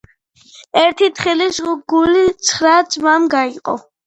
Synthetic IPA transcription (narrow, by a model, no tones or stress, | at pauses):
ɛɾt̪ʰit̪χilisɡulit̪sʰχɾad̪zʼmamɡaiqʼɔ̰